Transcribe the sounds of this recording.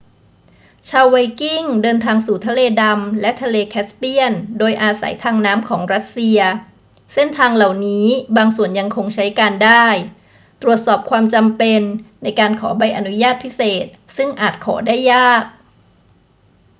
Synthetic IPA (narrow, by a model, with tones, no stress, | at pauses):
t͡ɕʰaː˧wa˧jki˥˩ŋdɤː˧nt̪ʰaː˧ŋsuː˨˩t̪ʰa˧leː˧da˧mlɛ˦˥ʔt̪ʰa˧leː˧kʰɛː˦˥spi˥˩əndoː˧jʔaː˧sa̰˩˦jt̪ʰaː˧ŋnaː˦˥mkʰɔː˩˦ŋɾa˦˥t̪̚si˧ɐ | se˥˩nt̪ʰaː˧ŋla˨˩wniː˦˥baː˧ŋsu˨˩ənja˧ŋkʰo˧ŋt͡ɕʰa˦˥jkaː˧ndaː˥˩j | t̪ɾu˨˩ət̪̚sɔː˨˩p̚kʰwaː˧mt͡ɕa˧mpe˧nːa˧jkaː˧nkʰɔː˩˦ba˧jʔa˧nu˦˥jaː˥˩t̪̚pʰi˦˥seː˨˩t̪̚sɯ˥˩ŋʔaː˨˩t̪̚kʰɔ̰ː˩˦daː˥˩jːaː˥˩k̚